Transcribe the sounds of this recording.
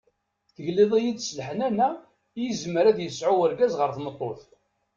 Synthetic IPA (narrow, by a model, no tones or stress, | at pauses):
θəʝliðˤijid̪sləħənænæ | jizəməɾæðjəsʕuəɾɡæzʁəɾθmət̪ˤːoθ